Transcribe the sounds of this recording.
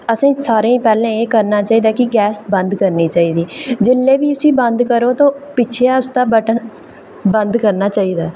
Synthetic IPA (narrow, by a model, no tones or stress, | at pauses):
əsãːsaːɾẽːpɛːlẽːeːkəɾnaːt͡ʃaːiːd̪aːkɪɡɛːsbənd̪kəɾniːt͡ʃaːiːd̪iːd͡ʒɪlːeːʋiːʊsĩːbənd̪kəɾoːt̪õːpɪt͡ʃʰeːaːʊst̪aːbəʈ | bənd̪kəɾnaːt͡ʃaːiːd̪aː